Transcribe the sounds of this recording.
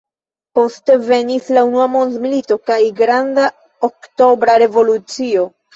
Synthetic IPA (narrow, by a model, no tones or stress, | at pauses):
po̞ste̞ve̞nislaunuamo̞nzmilito̞kajɡɾanda | okto̞bɾaɾe̞vo̞lut͡sio̞